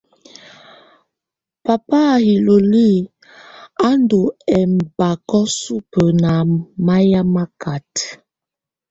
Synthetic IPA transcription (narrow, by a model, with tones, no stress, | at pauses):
pa˨pa˦˨hi˨lo˨li˦ | a˦ndo˨ɛ˨m̩˨ba˨kɔ˦su˦pə˨na˨ma˦ja˦ma˦ka˨t